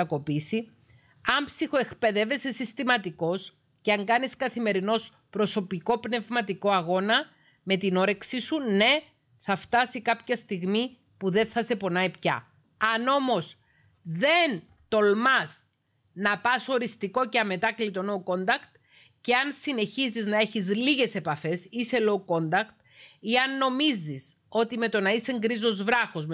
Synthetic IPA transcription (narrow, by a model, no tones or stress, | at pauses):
ɐko̞pisi | ɐmpsixo̞e̞kpe̞ðe̞ve̞sesist̪imɐt̪iko̞s | ceɐŋɡɐniskɐθime̞ɾino̞s | pɾo̞so̞piko̞pne̞vmɐt̪iko̞ɐɣo̞nɐ | me̞t̪ino̞ɾe̞ksisune̞ | θɐft̪ɐsikɐpçɐst̪iɣmi | puðe̞nθɐse̞po̞nɐipçɐ̰ | ɐno̞mo̞s | ðe̞n | t̪o̞lmɐs | nɐpɐso̞ɾist̪iko̞ceɐme̞t̪ɐklit̪o̞noko̞nd̪ɐkt̪ | ce̞ɐnsine̞çiziznɐe̞çizliɣe̞se̞pɐfe̞sise̞loko̞nd̪ɐkt̪ | iɐnːo̞mizis | o̞t̪ime̞t̪o̞nɐise̞ŋɡɾizo̞zvɾɐxo̞zm